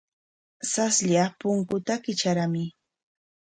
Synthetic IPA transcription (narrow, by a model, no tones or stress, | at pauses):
sasʎapʊŋkʊt̪akɪt͡ʃaɾamɪ